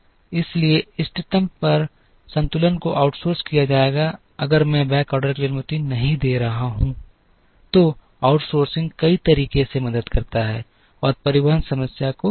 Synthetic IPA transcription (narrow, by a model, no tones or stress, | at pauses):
ɪslieɪsʈɪʈə̃mpɐɾ | sɐ̃nt̪ʊlənkoʔaːʊʈsoːɾskijad͡ʒaːeːɡa | ɐɡəɾmɛ̃bɛ̃ːkɔːɾɖəɾkleːnmʊt̪inɐɦĩd̪eːɾɐɦaɦũ | t̪o | aʊʈsoːɾsɪ̃ŋɡkɐit̪ɐɾiːkesemɐd̪əd̪kɐɾt̪aɦɛ̰ː | ɔːɾpɐɾɪʋəɦənsɐməsjako